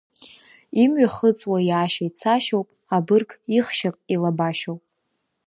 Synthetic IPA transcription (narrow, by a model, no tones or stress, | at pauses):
imɥaχət͡sʼwajaːʃajt͡sʰaʃowpʼabɨrkʰiχʃapʼilabaʃowpʼ